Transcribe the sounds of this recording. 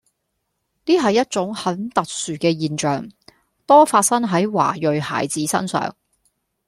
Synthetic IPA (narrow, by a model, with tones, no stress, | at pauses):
niː˥ɦɐ˨jːɐ˥t̚t͡sʊ˨˥ŋhɐ˨˥nt̪ɐ˨k̚syː˨kɛː˧jiː˨nt͡ʃœː˨˩ŋ | t̪ɔː˥faː˧t̚sɐ˥ŋɦɐ˨˥jwa̰ː˨˩jɵ˨ɥha̰ː˨˩jt͡siː˨˥sɐ̰˥nsœ̰ː˨ŋ